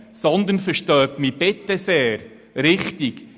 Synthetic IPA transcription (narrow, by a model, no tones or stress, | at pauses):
sɔnd̪ənfəɾʃtœːtmib̥ɪt̪ːɛseːɾ | ɾɪχt̪iɡ̥